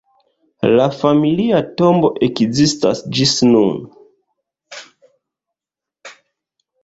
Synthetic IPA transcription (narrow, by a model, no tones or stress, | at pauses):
lafamiliato̞mbo̞ʔekzista̰sd͡ʒisnun